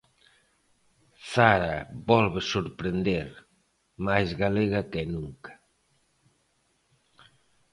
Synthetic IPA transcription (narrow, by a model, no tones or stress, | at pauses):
saɾaβɔlβesoɾpɾend̪eɾ | majzɣaleɣakenuŋkḁ